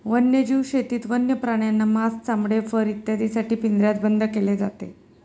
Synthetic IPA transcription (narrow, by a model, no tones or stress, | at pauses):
ʋənjəd͡ʑiʋɕet̪iːt̪ʋənjəpɾaɽ̃janːamast͡samɽefəɾit̪jad̪isaʈiːpind̪ɾjat̪̚bənd̪ʱəkeled͡za̰t̪ḛ